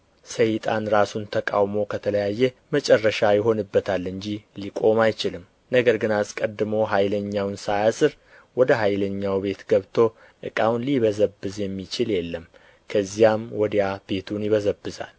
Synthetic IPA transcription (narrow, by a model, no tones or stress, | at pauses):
səjt̪ʼanɾasunt̪ʰəkʼawmo̞kʰət̪ʰələjajːɛmət͡ʃʼɛrːəʃajɪɦo̞nɨbːət̪ʰalːɨɲd͡ʒilikʼo̞majt͡ʃɪlɨm | nəɡəɾɡɨnaskʼəd̪ːɨmo̞ɦajləɲːawnsajasɨɾ | wɔd̪əɦajləɲːawbe̞t̪ɡəβt̪ʰo̞ | ʔɨ̰kʼawnliβəzəbːɨzjɛmːit͡ʃɪljɛlːəm | kʰəzːijamwɔd̪ijab̥e̞t̪ʰunjɪβəzəbːɨza̰l